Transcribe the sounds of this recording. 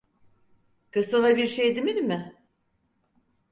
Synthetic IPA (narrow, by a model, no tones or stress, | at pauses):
kɯst̪alˠabiɾʃejd̪imid̪imɪ